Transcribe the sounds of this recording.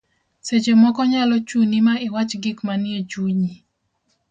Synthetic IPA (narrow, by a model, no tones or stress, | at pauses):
set͡ʃemɔkɔɲalɔt͡ʃunimaɪwat͡ʃɡɪkmanɪet͡ʃuɲi